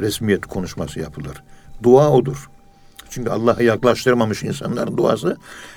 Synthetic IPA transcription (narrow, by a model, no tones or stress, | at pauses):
ɾɛsmijɛt̪ʰi̥kʰo̞nuʃmasɯjapʰɯlˠɯɾ̥d̪uaːod̪uɾ̥ | t͡ʃʰyɲʲcʰyalˠːaːɦɯjaklˠaʃt̪ʰɯɾmamɯʃinsa̰nlˠa̰ɾɯnd̪ua̰ːsɯ